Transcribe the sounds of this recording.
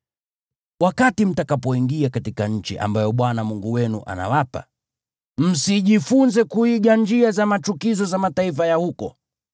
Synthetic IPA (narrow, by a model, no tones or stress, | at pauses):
wakatim̩takapɔiŋɡiakatikaɲ̩t͡ʃḭʔa̰mbajɔɓwanamuŋɡuwɛnṵʔa̰na̰wapa̰ | m̩siʄifunzɛkuiɡaɲd͡ʒiazamat͡ʃukizɔzamataifajahukɔ